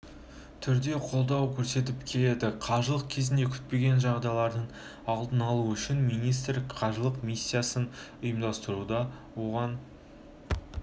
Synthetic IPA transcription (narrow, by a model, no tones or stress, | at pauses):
t̪ʰʏɾd̪e̞qʰo̞lˠd̪ɑwkʲʰɵɾse̞t̪̬ɪpkʲʰe̞le̞d̪ɪqʰɑʒəlˠəq̚kʲʰe̞zɪnd̪e̞kʲʰʏ̥t̪̚pe̞ɡʲe̞nʒɑʁd̪ɑjlˠɑɾd̪əɴ | ɑlˠd̪ənɑlˠuʏʃɪnmijnijst̪ɾɪkqʰɑʒəlˠəqmisʲːijasənʊjəmd̪ɑst̪əɾud̪ɑ | wo̞ʁɑn